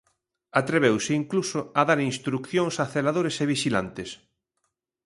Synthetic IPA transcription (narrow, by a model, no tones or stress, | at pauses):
at̪ɾeβ̞ewsɪiŋklusoaðaɾinst̪ɾukθjoŋsaθelaðoɾeseβiʃilant̪ɪs